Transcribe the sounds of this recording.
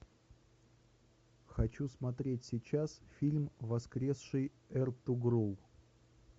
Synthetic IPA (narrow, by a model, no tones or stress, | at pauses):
xɐt͡ɕusmɐt̪ɾʲetʲsʲɪt͡ɕasfʲilʲmvɐskɾʲe̞sʂɨj | ɛrt̪ʊɡɾolˠ